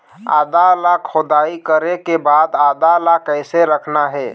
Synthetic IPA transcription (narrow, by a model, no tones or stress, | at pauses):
a̰d̪alakʰod̪aikəɾekebad̪ad̪alakəɪseɾəkʰnaɦɛ